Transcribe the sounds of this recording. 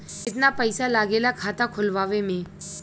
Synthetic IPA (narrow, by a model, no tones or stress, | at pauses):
ɪt̪napəɪsalaːɡeːlakʰaːt̪akʰʊlʋaːʋemẽː